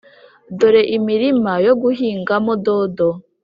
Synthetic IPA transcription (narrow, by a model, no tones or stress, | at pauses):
doɾeʔimiɾimajo̞ɡuɦiːŋɡamododo